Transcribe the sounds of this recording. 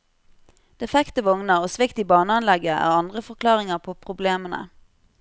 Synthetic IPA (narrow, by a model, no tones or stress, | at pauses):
d̪̥ɛfɛkt̪əʋɔŋnəoːsʋɪkt̪iːbɑːnəɑnlɛɡəʔæ̰ːʁɑnd̪ʁəfɔʁkʰlɑːʁɪŋəʁpʰoːpʰʁʊbleːmənə̰